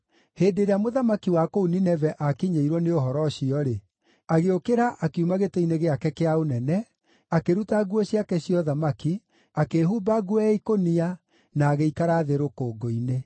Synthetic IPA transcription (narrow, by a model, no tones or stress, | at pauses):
heːdeɾeamoðamakiwakouninɛvɛʔakiɲeiɾwɔneoɦɔɾɔɕiɔɾe | aɣeokeɾaʔakeumaɣeteineɣeakɛkeaonɛnɛ | akeɾutaɣuɔɕiakɛɕiɔðamaki | akeɦuːbaɡuɛikonia | naːɣeikaɾaðeɾokoːɡoine